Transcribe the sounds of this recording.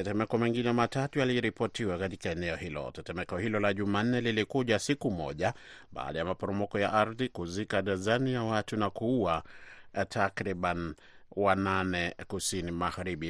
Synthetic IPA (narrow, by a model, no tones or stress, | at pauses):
tɛtɛmɛkɔmiŋɡinɛmatatujaliɾipɔtiwakatikaɛnɛɔhilɔ̰tɛtɛmɛkɔhilɔlaʄuman̩ːɛlilikuʄasikumɔ̰ʄa | ɓa̰ːɗajamapɔɾɔmɔkɔjaʔaɾðikuzikaɗazanijawatunakuːa | tʰakɾiɓan | wananɛkusinimaɣaɾiɓi